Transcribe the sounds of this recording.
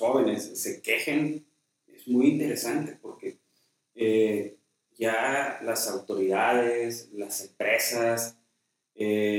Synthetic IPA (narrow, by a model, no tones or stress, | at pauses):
o̞βe̞ne̞sːe̞ke̞xen | e̞zmujint̪e̞ɾesant̪e̞̥po̞ɾke̞ | e | ʝalasawt̪o̞ɾiðaðeslase̞mpɾe̞sas | e